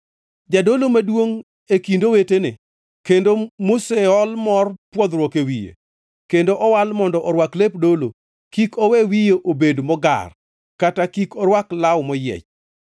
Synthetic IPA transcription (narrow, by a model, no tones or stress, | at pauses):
d͡ʒadolomadwoŋ | ekindowetenɪ | kendomoseɔlmɔrpwɔd̪ɾwɔkewijḛ | kendoʔɔwalmɔndɔʔɔɾwaklepdolo | kikɔwewijeʔobedmɔɡa̰r | katakikɔɾwaklawmɔjɛ̰t͡ʃ